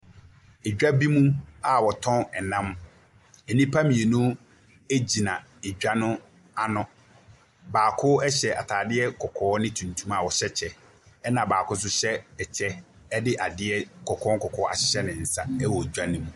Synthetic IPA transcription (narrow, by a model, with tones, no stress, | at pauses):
e˨d͡ʑᶣa˦bi˦mũ˦a˨wɔ˨tʰɔ̃˦nɛ˨nã˦m | ɛ˨nĩ˦pʰa˦mĩ˨e˨nũ˦ | e˦d͡ʑi˨nã˨ | e˨d͡ʑᶣa˦nʊ̃˦ | a˨nʊ̃˨ | baː˨kʰʊ˦ɛ˦ɕɛ˨ʔa˨tʰaː˨dɪ˦ɛ˦kʰɔ˨kʰɔː˨˦nɪ̃˦tʰũ˨ntʰũ˦ma˨wɔ˨ɕɛ˦t͡ɕʰɛ˨ | ɛ˦nã˨baː˨kʊ˦s̬ʊ˦ɕɛ˦ɛ˨t͡ɕʰɛ˦ | ɛ˦dɪ˦ʔa˨dɪ˦ɛ˦kʰɔ˨kʰɔ̃˦ŋkʰɔ˨kʰɔː˦ʔa̰˨ɕɪ̥˦ɕɛ˦nɪ̃˨n̩˨sa˦ɛ˦wɔ˨e˨d͡ʑᶣa˦nĩ˦mũ˨